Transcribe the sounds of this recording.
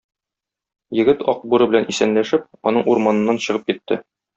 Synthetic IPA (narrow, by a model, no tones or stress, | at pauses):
jɘ̆ɡɘt̪ɒq̚buɾɤbɘ̆lænisænlæʃɘp̚ɒnɤɴuɾmɑnɤ̆nːɑnɕɤ̆ʁɤp̚kit̪ʰːɘ̰